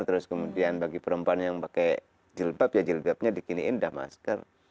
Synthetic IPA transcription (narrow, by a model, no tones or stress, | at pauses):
rt̪əɾʊskəmudianbaɡipəɾəmpuanjaŋpakaj | d͡ʒəlbapjad͡ʒəlbap̚ɲadikiniːndahma̰skər